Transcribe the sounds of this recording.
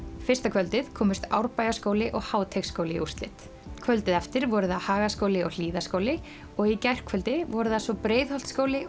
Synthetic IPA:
fɪ̥st̪akʰvœlt̪ɪðkʰɔːmɪst̪a̰wɾpajaskowlɪʔɔɣhaːwt̪ʰekskoːwlɪḭust̪lɪ̰t̪ | kʰvœlt̪ɪðɛft̪ɪɾvɔɾʏðahaːɣaskoːwlɪɔɣl̥iːðaskoːwlɪ | ɔɣicajr̥kʰvœlt̪ɪvɔɾʏðasvɔpɾeːjðhɔwlt̪skoːwlɪ

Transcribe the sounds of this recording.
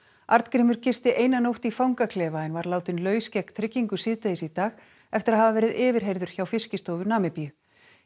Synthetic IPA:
aɾt̪kɾɪːmʏɾ̥cɪst̪ɪʔeːjnanowht̪ifawŋkakʰlɛːvaɛnvaɾlaːwt̪ʏnlœːɥscɛhkt̪ʰɾɪcːiŋkʏsɪːðt̪ajɪsit̪aːx | ɛft̪ɪɾaðhavavɛːɾɪðɪːvɪɾ̥ɦejɾðʏɾ̥çawfɪscɪst̪oːwvʏnaːmɪpijʏ

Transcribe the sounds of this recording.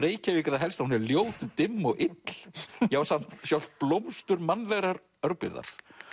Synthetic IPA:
reːjcavikaɾðaɦɛlst̪ahunɛɾljoːwt̪t̪ɪmːɔɣʔɪt̪ljaːwsan̥t̪sjawl̥t̪̚plowmst̪ʏɾmanlɛɣɾaɾ | œɾpɪ̰ɾða̰ɾ̥

